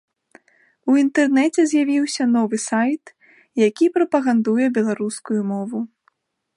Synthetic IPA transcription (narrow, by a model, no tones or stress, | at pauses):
uint̪ɛrnɛt͡sʲɛzʲjavʲiwsʲɐnɔvɨsajt̪ | jakʲipɾɐpɐɣand̪ujɛbʲɛlˠaɾuskujumɔvu